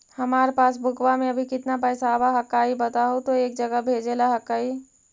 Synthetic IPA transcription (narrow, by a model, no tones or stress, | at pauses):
hɐmaːɾepaːsbʱʊkwamẽɐbʱikɪt̪napɛːsabaɦɐkːaːibɐt̪aɦot̪oeːk̚d͡ʒəɡəbʱeːd͡ʒelaɦɐkːaːi